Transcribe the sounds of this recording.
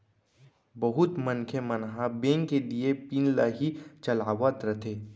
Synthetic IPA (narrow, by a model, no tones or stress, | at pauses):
bɐɦʊt̪mənkʰemɐnɦabẽːŋkeliepiːnlaːɦit͡ʃɐlaːʋət̪ɾət̪ʰeː